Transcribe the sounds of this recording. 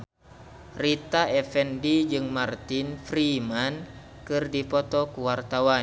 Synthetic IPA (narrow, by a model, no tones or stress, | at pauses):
rit̪aʔɛfɛndid͡ʒɨŋmart̪infɾiman | kɨrdipɔt̪ɔkuwart̪awa